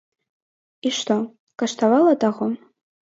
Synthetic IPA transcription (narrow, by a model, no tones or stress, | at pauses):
iʂtʰo | kʼaʂt̪ʰawalatʼaʁo